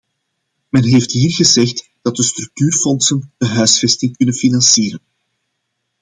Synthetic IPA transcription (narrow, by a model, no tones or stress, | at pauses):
mɛnɦeːftɦiːrɣəzɛxt | d̥ɑt̚dəst̪ɾɵk̚tyːrfɔnsənd̥əɦœɥsfɛstɪŋkɵnənfinɑnsiːɾən